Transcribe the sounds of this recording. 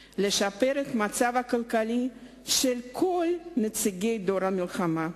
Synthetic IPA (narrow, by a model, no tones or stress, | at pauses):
le̞ʃape̞ɾet̪mat͡savakalkali | ʃelkʰo̞lnet͡siɡe̞jd̪o̞ɾhamilχama